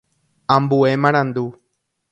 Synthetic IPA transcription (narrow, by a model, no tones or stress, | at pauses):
ãmbuemãɽ̃ãnd̪u